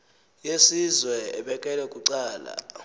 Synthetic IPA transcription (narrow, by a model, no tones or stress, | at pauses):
jesizwɛɛɓɛkʼɛlɛkʼuǀaːla̰